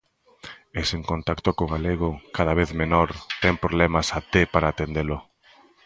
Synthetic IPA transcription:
eseŋkont̪akt̪okoɣaleɣokað̞aβ̞eθmenoɾt̪ɛŋpɾoβlɛmɐsat̪epaɾaːt̪end̪elo

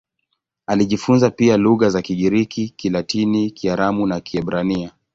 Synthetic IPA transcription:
aliʄifunzapialuɣazakiɠiɾikikilatinikiaɾamunakiɛbɾania

